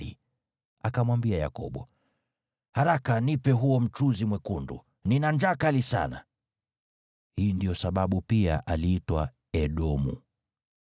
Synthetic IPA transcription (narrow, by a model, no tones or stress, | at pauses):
ḭ | akamwambiaja̰kɔ̰ɓɔ | haɾakanipɛɦuɔm̩t͡ʃuzimwɛkundṵ | ninand͡ʒaːkalisa̰na̰ | hiːndijɔsaɓaɓupiaʔaliitwa | ɛɗɔmṵ